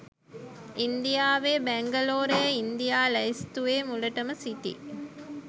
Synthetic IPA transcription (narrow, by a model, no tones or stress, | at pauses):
ind̪ijaːʋeːbæŋɡɐloːɾejəind̪ijaːlɐist̪uʋeːmulɐʈəməsit̪ḭ